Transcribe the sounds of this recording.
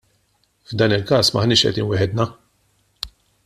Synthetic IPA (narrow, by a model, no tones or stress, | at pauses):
vd̪ɐːnɪlkɐːsmɐħnɪːʃʔɛ̰d̪iːnwɛħɛd̪nɐ